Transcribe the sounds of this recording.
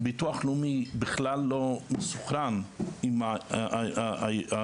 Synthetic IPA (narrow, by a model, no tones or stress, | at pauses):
bituaχlumibɪχlalːomesuχɾanima | a